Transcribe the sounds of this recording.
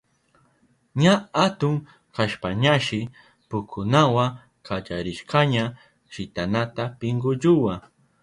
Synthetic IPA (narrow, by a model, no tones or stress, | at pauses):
ɲaat̪ʊŋ | kaʃpaɲaʃɪ | pʊkʰʊnawa | kad͡ʒaɾɪʃqaɲa | ʃɪt̪anat̪apɪŋɡʊʎʊwa